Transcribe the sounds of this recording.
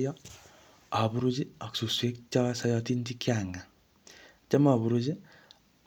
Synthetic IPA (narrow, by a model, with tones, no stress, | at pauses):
jɔ˦ | a˨bu˦ɾu˦d͡ʒi˦a˨ksu˨swe˦k̚t͡ʃɔ˦sa˦jɔ˧ti˦nti˦kja˨ŋa˨ | t͡ʃa˦ma˨βu˨ɾu˦d͡ʒi˦